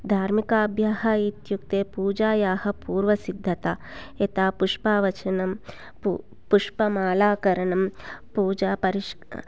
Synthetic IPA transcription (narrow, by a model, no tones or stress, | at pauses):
d̪ʱaːɾmikaːbʱjaːɦɐːit̪juk̚t̪eːpuːd͡ʒaːjaːhɐ̆puːɾʋɐsid̪ʱːɐt̪aet̪aːpuʂpaːʋɐt͡ʃɐnɐm | pu | puʂpɐmaːlaːkɐɾɐɳɐmpuːd͡ʒaːpɐɾiʂ